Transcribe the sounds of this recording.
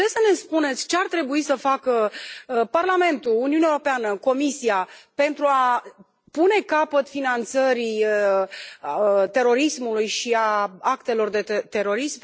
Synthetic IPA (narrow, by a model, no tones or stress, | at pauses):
esəne̞spune̞t̪sʲt͡ʃe̞art̪ɾe̞buisəfakə | parlame̞nt̪uuniunaeoɾo̞peanəko̞misiape̞nt̪ɾua | pune̞kapət̪finant̪səɾi | t̪e̞ɾo̞ɾismulujʃiaakt̪e̞lo̞rd̪e̞t̪e̞ɾo̞ɾism